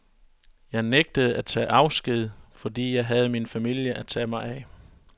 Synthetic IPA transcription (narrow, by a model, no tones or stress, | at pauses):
jɑ̈ɪneɡ̥̚d̥əð̩ˠæt͡sʰɛ̰ːʔɑ̈ʊsɡ̥ið̞̰ˠfɒ̽d̥ḭːjɑ̈ɪɦæð̞̩ˠminfæmil̰jəʔæt͡sʰɛ̰ːmɑ̈ɪɛ